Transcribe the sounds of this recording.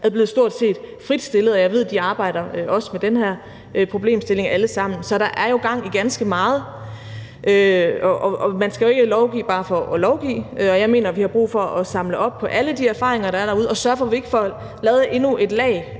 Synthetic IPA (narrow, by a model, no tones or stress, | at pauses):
æðˠble̝ːð̩ˠsd̥o̝ɐ̰d̥se̝̰ːd̥fʁid̥sd̥e̝lðˠɒjɑ̈ɪʋe̝ð̞̰ˠd̥iɑ̈ːb̥ɑ̈ɪ̰ɾ̥ɐøʔɒ̽səmed̥enɦhæɐ̰ | ʔpʰʁo̝b̥le̝̰ːmsd̥e̝le̝ŋæləsɑ̈m̰n̩sɒ̽ɾ̥ɑ̈ʔæɐjo̝ɡ̥ɑ̈ŋ̰iɡ̥ænsɡ̥əmɑ̈ːð̞̩ˠ | ʔøɒʔɒɒmænsɡ̥æjo̝e̝ɡ̥əlɒʊɡ̥ḭːb̥ɑ̈ːfɒ̽ʔɒlɒʊɡ̥ḭːøɒ̽jɑ̈ɪme̝̰ːnɐʋihɑ̈b̥ʁṵːfɒ̽ʔɒsɑ̈mləʔɒ̽b̥̚pʰɒ̽ʔæləd̥iæɐfɑ̰̈ːʁeŋɐɾ̥ɑ̈æɐɾ̥ɑ̈uð̞ˠɒ̽sɶɐfɒ̽ʋie̝ɡ̥əfɒ̽ | lɛːð̩ˠe̝nuʔe̝d̥lɛ̰ɪ